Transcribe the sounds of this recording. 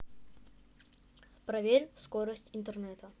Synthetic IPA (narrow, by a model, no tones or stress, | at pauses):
pɾɐvʲeɾʲskoɾəsʲtʲɪnt̪ərnɛt̪ə